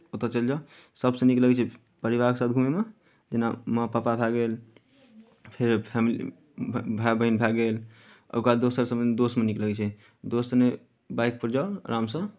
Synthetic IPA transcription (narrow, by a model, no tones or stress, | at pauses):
ut̪ːət͡ʃəld͡ʒa | səbsə̃nikləɡɛt͡ʃʰɛ | pəɾibaɾksat̪̚ɡʱumeme | d͡ʒenaməpapabʱaɡel | pʰeɾpʰamilḭ | bʱabəɦinbʱaɡel | ə̰kad̪osəɾsəmed̪osmenikləɡɛt͡ʃʰɛ | d̪osne | bajk̚pəɾd͡ʒalɾʔamsə̃